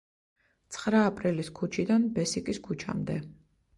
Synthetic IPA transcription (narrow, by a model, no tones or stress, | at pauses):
t̪sʰχɾaːpʼɾiliskʰut͡ʃʰid̪anbɛsikʼiskʰut͡ʃʰa̰md̪ɛ